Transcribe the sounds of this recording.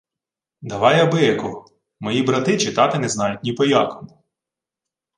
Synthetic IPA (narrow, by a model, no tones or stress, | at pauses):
d̪ɐʋɑjɐbɪjɐkɔɦɔ | mɔjibɾɐt̪ɪt͡ʃɪt̪ɑkɪnɛznɑjʊt̚ʲnʲipɔjaɑkɔmʊ